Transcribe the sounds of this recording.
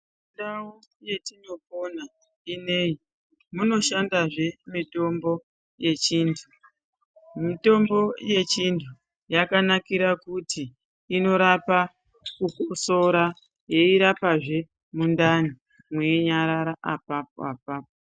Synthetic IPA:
undawo | je̞tino̞po̞na | ine̞ji | muno̞ʃandaʐe̞mito̞mbo̞ | je̞t͡ʃiːntʰu | mito̞mbo̞je̞t͡ʃintʰu | jakanakiɾakutiː | no̞ɾapa | kukoso̞ɾa | je̞iɾapaʐe̞ | mundani | mweɲaɾaɾaʔapapo̰ap̚aːp̚o

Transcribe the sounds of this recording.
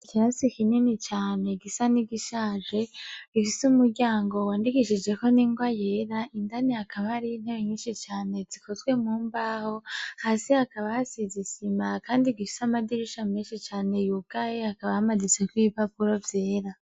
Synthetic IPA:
iciɾasikininit͡ʃaːne̞ɡisaniɡiʃaːʒe̞ifisumuɾɟaːŋɡo̞waːndikiʃid͡ʒɡe̞ko̞niːŋɡwajeɾaindaniakaβaɾin̥heβeɲiːnʃit͡ʃaːne̞zikʰo̞zɡwe̞muːmbaho̞haːsihakaβahasizisimakaːndiɡifi̥samadiɾiʃame̞ːnʃit͡ʃaːne̞jub̚ɡ̥ajeakaβahamadit͡se̞kwipapuɾovje̞ːɾa

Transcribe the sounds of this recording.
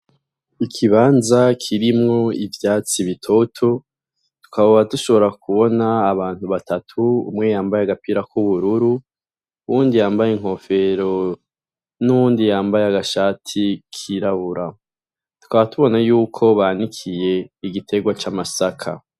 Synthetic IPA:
ikʰiβaːnzakʰiɾimŋo̞ivjaːt͡siβitʰo̞tʰo̞ | tu̥kaβaβatuʃo̞βo̞ɾakuβo̞naːβaːn̥huβatʰatʰuṵmŋe̞jaːmbajeaɡapiɾakuβuɾuɾu | βuːndijaːmbajeŋ̥ɦo̞fe̞ɾo̞ | nuβuːndijaːmbajeaɡaʃaːtʰikʰiɾaβuɾa | tu̥kaβatuβo̞najuːkʰo̞βanikʰije̞iɡitʰe̞ɡwat͡ʃamasakʰa̰

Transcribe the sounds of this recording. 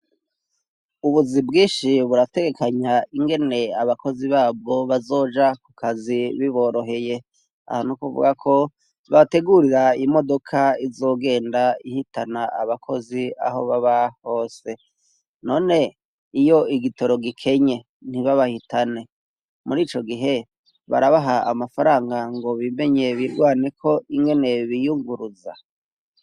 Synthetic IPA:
uβuzibɡiːʃiβuɾate̞ɡe̞kʰaɲaiŋɡe̞ne̞aβako̞ziβaːb̚ɡo̞βazo̞ːd͡ʒakukʰaziβiβo̞ːɾo̞ɦe̞je̞ | a̰honukuvṵɡakʰo̞ | βate̞ɡuɾiɾaimo̞do̞kʰaizo̞ːɡe̞ːndaihitanaaβakʰo̞zia̰ho̞βaβaho̞ːse̞ | no̞ːne̞ | ijo̞iɡito̞ɾo̞ɡikʰe̞ɲe̞ | n̥iβaβahitane̞ | muɾiːt͡ʃo̞ɡiɦe̞ | βa̰ɾaβaɦaːmafaɾaːŋɡaŋɡo̞βime̞ɲe̞βiɾɡwaːne̞kʰo̞ʔiŋɡe̞ne̞βijuŋɡuɾuza̰

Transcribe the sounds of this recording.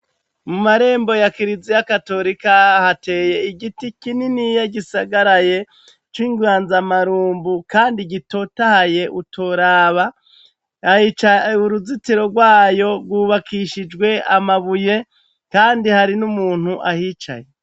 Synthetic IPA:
mumaɾe̞ːmbo̞jakiɾizijakato̞ɾikahate̞ːje̞iɡitikininijaɡisaɡaɾaje̞ | t͡ʃwiːŋɡwaːnzamaɾuːmbukaːndiɡito̞tahaje̞ʔutʰoɾaːβa | ahit͡ʃauɾuzitiɾo̞ɡwaːjo̞ɾɡwuβakʰiʃid͡ʒɡwe̞amaβuje̞ | kaːndihaɾinumuːn̥huʔahiːt͡ʃa̰je

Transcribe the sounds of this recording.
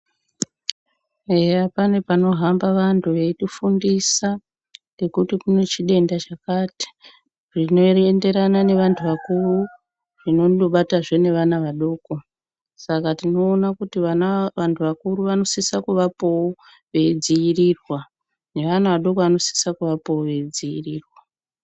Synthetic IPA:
ejapane̞pano̞ɦambaʋantʰuʋe̞ɗufundisa | ne̞kutikune̞t͡ʃiɗe̞ndat͡ʃakati̥ | ʐino̞ende̞ɾanane̞ʋantʰuʋakuru | ʐ̥ino̞oɓataʐe̞ne̞ʋanaʋaɗo̞ko̞ | sakatino̞ːnakutiʋaʋantʰuʋakuɾuʋano̞sisakuʋapowo | ʋe̞id͡ziirirwa | ne̞ʋanaʋaɗo̞koʋano̞si̥sakuʋapowoʋe̞id͡ziiriːrwa

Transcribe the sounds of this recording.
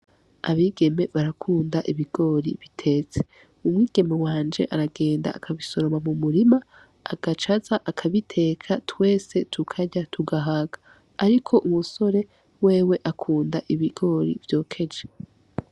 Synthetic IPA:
a̰βiːɡe̞me̞βaɾakʰuːndaʔiβiɡ̥o̞ːɾiβitʰe̞ːt͡se̞̥ | umŋiːɡe̞mewaːnd͡ʒe̞̰ʔaɾaɡe̞ːnda̰ːkʰaβiso̞ɾomamumuɾima | a̰ɡ̥at͡ʃazaʔakʰaβitʰe̞ːkʰatwe̞ːse̞tʰukʰaɟatʰuɡaɦaɡḁː | ɾikʰo̞ʔumuso̞ɾe̞ | we̞ːwe̞ʔakʰuːndaʔiβiɡ̥o̞ːɾḭvjo̞ːkʰe̞d͡ʒe

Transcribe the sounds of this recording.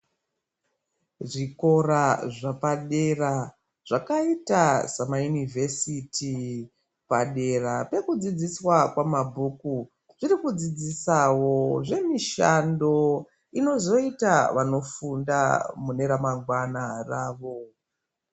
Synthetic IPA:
ʐiko̞ɾaʐapaɗe̞ra | ʐ̥akaitasamajunivʱe̞sitʰi | paɗe̞rape̞kud͡zid͡ziswakwamabʱuku | ʐ̥iɾikud͡zid͡zisawo̞ʐe̞miʃando̞ | ino̞zo̞itaʋano̞funda̰mune̞ɾamaŋɡwanaraːʋo̞

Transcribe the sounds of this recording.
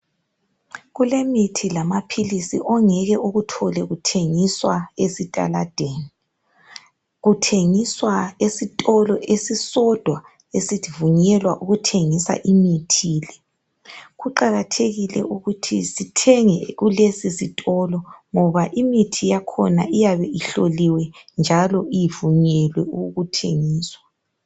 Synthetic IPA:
ɣulemitʰilamapʰilisiʔɔŋɛɣɛʔoɣutʰɔlɛɣutʰeŋiswaesitʼa̰lad̥ʱeni | ɣutʰeŋiswaesitʼɔlɔʔesisɔd̥ʱwa | esivuɲɛlwa̰ʔuɣutʰeŋisa̰ʔimitʰiːlɛ | ɣuǃaɣatʰeɣilɛ̰ʔuɣutʰḭsitʰɛŋɛɣulesisitʼɔlɔŋɔβaʔimitʰijakʰɔna̰ʔijaβɛiɬoliwɛnd͡ʒʱalɔijivuɲɛlwɛuɣutʰḛŋiːswa

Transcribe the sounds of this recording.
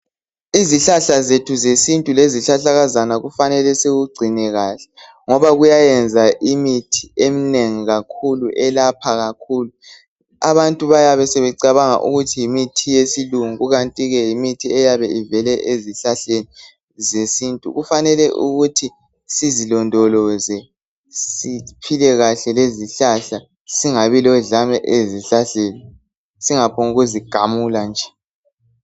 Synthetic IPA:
iziɬaɬazetʰuzesintʼuleziɬaɬaɣazanaɣufanɛlɛseɣuɡ͡ǀʱinɛɣaːɬɛ̥ | ŋɔβaɣujajɛnd͡zʱaʔimitʰi̥em̩neŋiɣakʰuluʔɛlapʰaɣakʰuːlu | aβantʼuβajaβɛsɛβɛǀaβaŋa̰ʔṵɣutʰijimitʰijesiluŋɣuɣantʼiɣɛjimitʰiɛjaβɛivɛlɛʔeziɬaɬeni | zesintʼṵɣufanɛlɛʔṵɣutʰi | sizilɔndʱɔlɔzɛ | sipʰilɛɣaɬɛleziɬaɬa | siŋaβilɔɮamɛʔeziɬaɬeːni | siŋapʰoŋuɣuziɡ̥ʱamuland͡ʒʱɛ̥

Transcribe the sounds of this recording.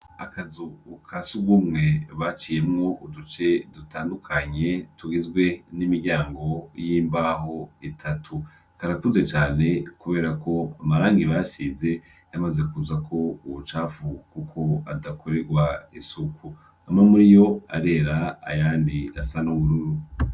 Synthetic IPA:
akazukʰasuɡumŋe̞βat͡ʃiːje̞mŋo̞udut͡ʃe̞dutaːndukʰaɲe̞tuɡizɡwe̞nimiɾɟaːŋɡo̞jiːmbaho̞itʰatʰu | kaɾakuze̞t͡ʃaːne̞kuβe̞ːɾako̞amaɾaːŋɡiβasize̞ | jamaze̞kuzakʰo̞uwot͡ʃaːfukukʰo̞adakʰo̞ɾe̞ɡwaisuku | amamuɾijo̞a̰ɾe̞ɾa̰ːjaːndia̰sanowuɾuɾu

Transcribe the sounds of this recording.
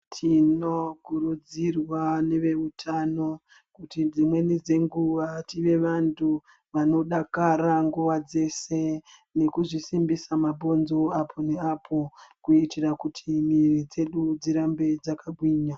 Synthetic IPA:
tʰino̞kuɾud͡zirwane̞ʋe̞utʰano̞ | kutid͡zimwe̞nid͡ze̞ŋɡuʋatiʋe̞ʋantʰu | ʋano̞ɗakaraŋɡuʋad͡ze̞se̞ | ne̞kuʐisimbisamabʱo̞nzo̞apʰo̞ne̞apʰo̞kuitirakutʰimirid͡ze̞ɗud͡ziɾambe̞d͡zakaɡʱwiːɲa

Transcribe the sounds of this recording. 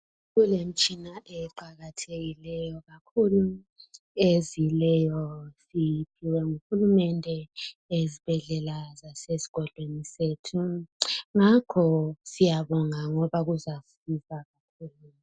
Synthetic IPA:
ɣulem̩t͡ʃʼinaʔɛǃaɣatʰeɣilɛjɔɣakʰulu | ezilɛjɔsipʰiwɛŋuxulumɛndʱɛezib̥ʱɛɮɛlazasesi̥ɣ̥ʱɔɮweniseːtʰu | ŋakʰɔsijaβɔŋaŋɔβaɣuzaf | izaɣakʰuːlu

